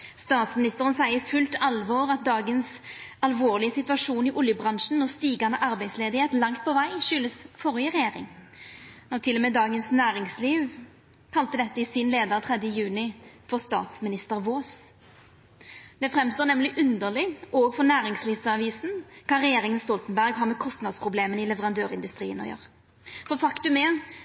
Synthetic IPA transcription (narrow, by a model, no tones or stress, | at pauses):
st̪ɑːt̪smɪnɪst̪əʁənsæɪəfʉlt̪ɑlʋɔːʁɑt̪̚d̪ɑːɡənsɑlʋoːʁlɪəsɪt̪ʉʋɑʂuːnɪʔʊljəbʁɑnʂn̩mɔst̪iːɡɑnəʔɑɾbæɪsleːd̪ɪheːt̪lɑŋt̪̚pʰɔʋæɪʃʏləsfɔʁɪəɾɛjeːʁɪ̰ŋ | nɔt̪ʰɪlɔmɛːd̪ɑːɡənsnæːɾɪŋsliːʋ | kʰɑlt̪əd̪ɛt̪ːəɪsɪnleːd̪əʁt̪ʰʁɛd̪jəjʉːnɪfɔʁst̪ɑ̰ːt̪smɪnɪst̪əʁʋoːs | d̪ɛfʁɛmst̪oːnɛmlɪʔʉnd̪əʁlɪoːɡfɔnæːɾɪŋsliːʋsɑʋiːsn̩kʰɑːɾɛjeːʁɪŋənst̪ɔlt̪nbæʁɡhɑːʁmɛkʰɔst̪nɑd̪spʰʁʊbleːmənɪlɛʋəʁɑnd̪øːʁɪnd̪ʉst̪ɾḭːə̰nɔ̰jø̰ːʁ | fɔfɑkt̪ʉmɛ